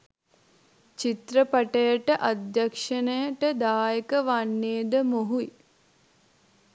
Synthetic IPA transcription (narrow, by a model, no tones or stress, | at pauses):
t͡ʃit̪ɾəpɐʈɐjəʈəʔad̪jɐkʂɐnəjəʈəd̪aːjəkəʋanːeːd̪əmoɦui